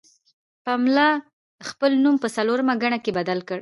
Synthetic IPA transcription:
pamlɑ | xpəlnumpəsaloɾamaɡaɳakebad̪alkəɽ

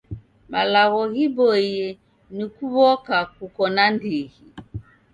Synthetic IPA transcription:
malaɣɔɣibɔjɛ | nikuβɔkakukɔnandiɣi

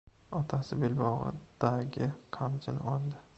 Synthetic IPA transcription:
ɒt̪ʰasɪbelbɒʁɨ̰d̪̥aɡʲɪqʰamt͡ʃʰɪnɒlˠd̪ɪ

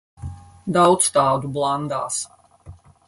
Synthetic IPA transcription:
d̪awt̪st̪aːd̪ublˠand̪aːs

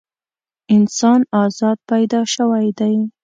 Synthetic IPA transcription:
ɪnsɑnɑzɑd̪̚pajd̪ɑʃəwajd̪aj

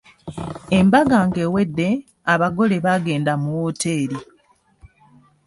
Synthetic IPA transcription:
embaɡaŋɡe̞ːwe̞dːe̞ | aβaɡo̞le̞βaɡe̞ːndamuwote̞ːɾi

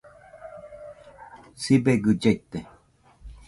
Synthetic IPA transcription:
sibeɡɯd͡ʒeit̪ːe

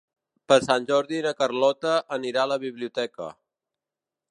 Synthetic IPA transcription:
pəɾsanʲʒɔɾðinəkərlɔt̪əʔəniɾaələβiβliut̪ɛkə̰

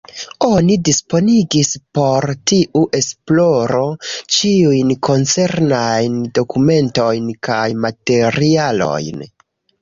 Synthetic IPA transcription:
o̞nidispo̞niɡispo̞ɾtiʔuʔe̞splo̞ɾo̞t͡ʃiujnko̞nt͡se̞ɾnajndo̞kume̞nto̞jnkajmate̞ɾialo̞̰jn

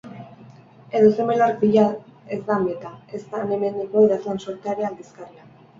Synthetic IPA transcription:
e̞ðosemelaɾpiʎaezd̪amet̪ae̞st̪aːne̞me̞nd̪iko̞eɾazlansoɾt̪eaɾeald̪iskaria

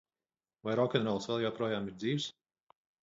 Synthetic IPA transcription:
vajɾɔkʲɛnɾɔlˠsvɛlˠjawpɾuɔjaːmiɾd̪ziːws

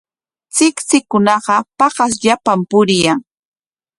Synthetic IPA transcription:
t͡sɪkt͡sɪkʊnɑɢɑpɑɢɑs̬ʎapampʊɾɪjaŋ

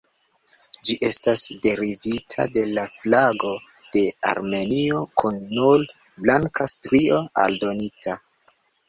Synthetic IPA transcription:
d͡ʒiʔe̞stasde̞ɾivitʰa̰de̞laflaɡo̞ | d̥e̞a̰ɾme̞niokʰunːul | blaŋkʰastɾio̞a̰ldo̞nitʰa

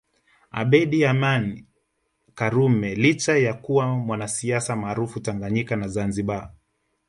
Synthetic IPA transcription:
a̰ɓɛɗiamani | kaɾumɛlit͡ʃajakuwamwanasiasamaːɾufutaŋɡaɲikanazanziɓa

